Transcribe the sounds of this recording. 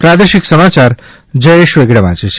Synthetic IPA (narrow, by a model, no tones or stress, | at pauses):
pɾad̪eʃiksəmat͡ʃaɾ | d͡ʒəeʃʋeɡɽəʋã̰t͡ʃe